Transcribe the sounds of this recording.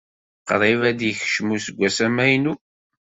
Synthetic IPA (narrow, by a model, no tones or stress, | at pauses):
qəɾˤivæd̪jəç̥ʃmusəɡʷːæsæmæjnu